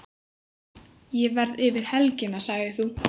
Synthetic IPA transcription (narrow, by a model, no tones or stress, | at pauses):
jɛvɛɾðɪvɪɾ̥hɛlcɪnasaɣðɪθu